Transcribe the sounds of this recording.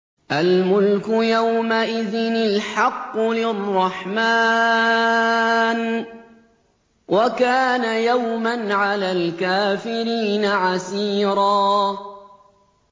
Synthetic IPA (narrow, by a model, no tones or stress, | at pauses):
ʔalmʊlkʊjawmaʔɪðɪnɪlħɑqːʊlɪrˤːɑħmaː | n | wʔakaːnajawmanʕalaːlkaːfɪɾiːnaʕasiːɾɑː